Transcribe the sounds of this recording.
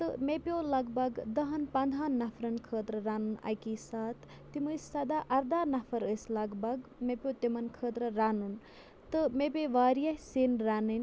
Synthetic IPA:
t̪ɨmepʲjoːlɐɡbɐɡd̪ɐɦɐnpɐnd̪ʱaːnːɐfʰɾɐnkʰəːt̪ɾɐɾaːnunɐ̰jkiːsaːt̪ʰːimɨssɐd̪aːʔɐɾd̪aːnɐfʰɐɾəslɐɡbɐɡmepʲjoːt̪imɐnkʰəːt̪ɾɐɾaːnun | t̪ɨmepʲeʋaːɾijɐɦseːnɾaːnɨn

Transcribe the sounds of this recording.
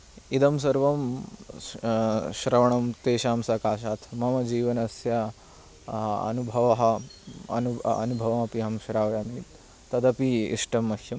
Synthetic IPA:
id̪ɐms̬ɐɾʋɐm | ʃɾɐʋɐɳɐmt̪eːʃaːmsɐkaːʃaːt̪ʰmɐmɐd͡ʒiːʋɐnɐsjɐ | ɐ̰nubʱɐʋɐɦɐɐ̰nuɐ̰nubʱɐʋɐmɐpiɦɐmʃɾaːʋjaːniːt̪ | t̪ːɐd̪ɐpiḭʂʈɐmːɐkjɐ

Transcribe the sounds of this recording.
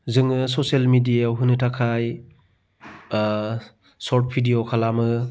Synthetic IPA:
zɯŋɯsɔselmidijaɦɯnɯtʰakʰaj | sɔɾt̚pʰidijokʰalamɯ

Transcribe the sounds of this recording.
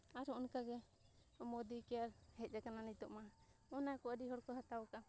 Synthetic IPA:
aɾhɔʔɔnkaɡɛ | mɔd̪ikɛjaɾhɛt̪̚ˀd͡ʒakananit̪ɔʔma | ɔnakɔədiɦɔɽkɔɦat̪awka

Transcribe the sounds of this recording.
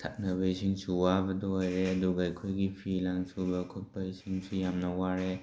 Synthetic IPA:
t̪ʰa̰t̚nɐbɐisʰiŋsuwabɐduojɾeɐduɡaajkʰojɡipʰilaŋsubɐkʰɔt̚pɐisʰiŋsujamnɐwaɾe

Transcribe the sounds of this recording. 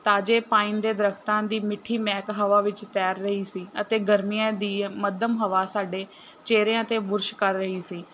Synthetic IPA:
t̪aːd͡ʒeːpaːind̪eːd̪əɾəkʰt̪ãːd̪iːmɪʈʰːiːmɛːkɦəʋaːʋɪt͡ʃt̪ɛːɾːəɦiːsiːət̪eːɡəɾmijãːd̪iːməd̪əmɦəʋaːsaːɖeː | t͡ʃeːɾeːãːt̪eːbʊɾʃkəɾːəɦiːsiː

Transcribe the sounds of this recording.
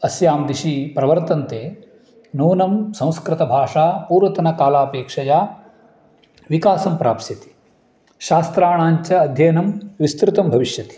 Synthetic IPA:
ɐsjaːmd̪iʃipɾɐʋɐɾt̪ɐnt̪eː | nuːnɐmsɐ̃w̃skɾɪt̪ɐbʱaːʂaːpuːɾʋɐt̪ɐnɐkaːlaːpeːkʂɐjaː | ʋikaːsɐmpɾa̰ːpsjɐt̪i̥ | ʃaːst̪ɾaːɳaːɲt͡ʃɐːd̪ʱjɐjnɐmʋist̪ɾɪt̪ɐmbʱɐʋiʃjɐt̪i̥

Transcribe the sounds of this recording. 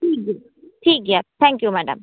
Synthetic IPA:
ʈiːkjɛ | ʈʰiːkjɛt̪ʰɛ̃ŋkjumæːɖə̰̃m

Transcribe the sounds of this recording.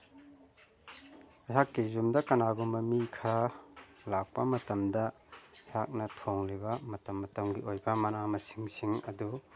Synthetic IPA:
ajɦakːizumdɐkɐnaɡumɐmikʰɐɾalak̚pɐmɐtɐmdɐ | hak̚nɐtʰoŋlibɐmɐtɐmːɐtɐmɡiojbɐmɐnamɐsi̥ŋsiŋɐdu

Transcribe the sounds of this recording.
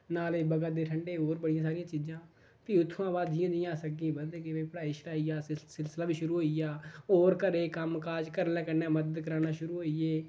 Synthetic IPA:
naːleːbəɡət̪̚d̪eːʈʰəɳɖeːɦoːɾbəɽɪjãːsaːɾɪjãːt͡ʃiːd͡ʒãː | piːʊt̪ʰːãːbaːd̪ɪjãːd̪ɪ̃ːaːsəɡĩːbənd̪eːkɪpəɽaːiːʃʰəɾaːiːaːsɪlsɪlaːʋiːʃʊɾuːɦoːijaːɦoːɾkəɾeːkəmkaːd͡ʒkəɾnɛ̃ːkənɛːməd̪əd̪kəɾaːnaːʃʊɾuːɦoːieː

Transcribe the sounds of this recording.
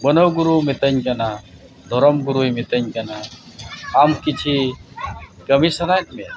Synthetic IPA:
bənəwɡuɾumɛt̪əɲkana | d̪ʱɔɾɔmɡuɾujmɛt̪əɲkanaː | mkit͡ʃʰi | kəmisaɾaʈmɛ

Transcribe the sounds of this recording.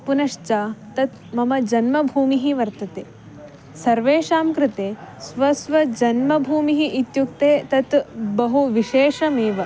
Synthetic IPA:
punɐʂt͡ʃaːt̪ɐt̪ | mɐmɐd͡ʒɐnmɐbʱuːmiɦiʋɐɾt̪ɐt̪eː | sɐɾʋeːʃaːmkɾɪt̪eːsʋɐsʋɐd͡ʒɐnmɐbʱuːmiɦiʔit̪jukt̪eːt̪ɐt̪bɐɦuʋiʃeːʂɐmiːʋɐ

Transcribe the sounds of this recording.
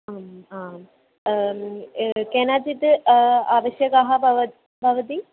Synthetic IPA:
aːmaː | keːnaːd͡ʑit̪ɨaːʋɐɕjɐɡaːɦɐbʱɐʋɐ | bʱɐʋɐt̪i

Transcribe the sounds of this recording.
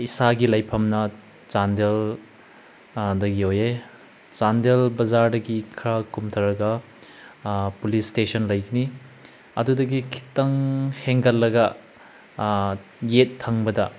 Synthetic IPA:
isaɡilɐjpʰɐmnɐ | t͡ʃandel | dɐɡioje | t͡ʃandelbɐzaɾdɐɡikʰɾɐkumtʰɐɾɐɡɐ | pulistesɐnlɐjɡini | ɐ̰dudɐɡikʰi̥tɐŋheŋɡɐlːɐɡɐ | jetʰːɐŋbɐdɐ

